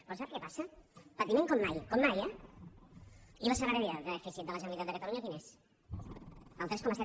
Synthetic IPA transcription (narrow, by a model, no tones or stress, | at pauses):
pɔsɛɾkepasəpət̪imẽŋkɔmːajkɔmːajɛ | iβasəɣəɾəðiaðənəfisit̪̚d̪ələʒənəlit̪at̪d̪əkət̪əluɲaəðinɛs | əlˠt̪ɾɛskɔmasɛ